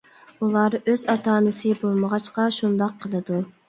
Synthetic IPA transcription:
ulˠɑːɾøz̥ɑt̪ʰɑːnɨsɨbolˠməʁɑt͡ʃqɑʃund̪ɑqʰːəlˠɨd̪u

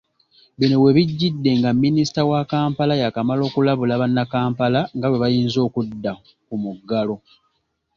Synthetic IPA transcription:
βinowe̞βiɟːidːe̞ŋɡamːinisi̥tawakaːmpalajakamalo̞ːkulaβulaβanːakaːmpalaŋɡawe̞βajiːnzo̞ːkudːa | kumuɡːalo̞

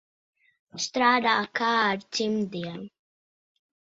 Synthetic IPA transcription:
st̪ɾaːd̪aːkaːɾtimd̪ia

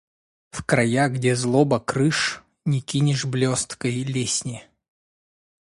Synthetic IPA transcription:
fkrɐjaɡdʲezlˠobəkɾɨʂ | nʲɪkʲinʲɪʂblʲost̪kəjlʲesʲnʲɪ

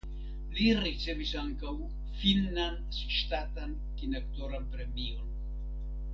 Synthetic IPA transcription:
liɾit͡sevisaŋkaw | filnan | ʃt̪at̪an | kinakt̪oɾanpɾe̞mion

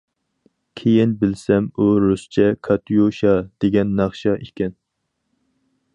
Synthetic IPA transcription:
kʲʰejinbɪlsɛmuɾust͡ʃʰɛkʰɑt̪ʰujoʃɑd̪̥eɡʲɛnːɑχʃɑʔikʲɛn

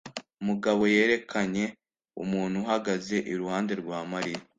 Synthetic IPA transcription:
umuɡaβo̞je̞ːɾe̞kʰaɲe̞ | ṵmuːn̥huɦaɡaze̞ʔiɾuhaːnde̞ɾɡwaːmaɾija

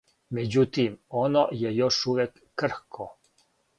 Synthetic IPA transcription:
mɛd͡ʒut̪imɔnɔjɛjoʃuʋɛkːər̩xkʰɔ

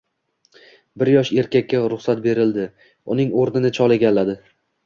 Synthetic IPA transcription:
bɪɾjɒʃe̞ɾkʲakʲːaɾʊχsat̪̚be̞ɾɪld̪ɪ | ʊnɪŋoɾnɪnɪt͡ʃʰɒlˠeɡʲalːad̪ɪ

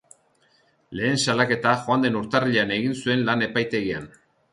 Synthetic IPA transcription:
le̞ːnsalake̞t̪axoand̪e̞nuɾt̪ariʎeane̞ɣinsue̞nlane̞pajt̪e̞ɣia̰n

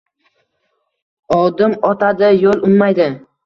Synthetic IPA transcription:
ɒd̪ɪmɒt̪ʰad̪ɪjolˠʊmmajd̪ɪ

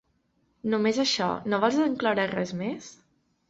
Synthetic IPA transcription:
numezəʃɔ̰noβɔlˠzəŋklawɾarɛzmes

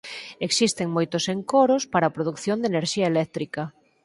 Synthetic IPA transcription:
eksist̪eŋmojt̪ʊseŋkoɾospaɾɐːpɾoðukθjond̪eneɾʃiɐelɛk̚t̪ɾikɐ

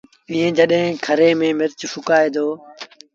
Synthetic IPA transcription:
ĩːẽːd͡ʒəɗɦẽːkʰəɾeːmẽːmɪɾt͡ʃfʊkaːeːd̪oː

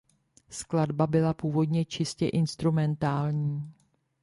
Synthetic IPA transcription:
skladbabɪlapuːvo̞dɲɛt͡ʃɪscɛʔɪnst̪ɾumɛnt̪aːlɲiː

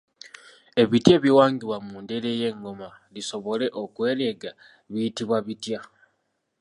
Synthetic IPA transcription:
e̞βitje̞ːβjiwaːŋɡiβwamuːndeɾe̞je̞ŋɡo̞ma | liso̞βo̞le̞ʔokwe̞ːle̞ɡa | βiitiβwaβitja

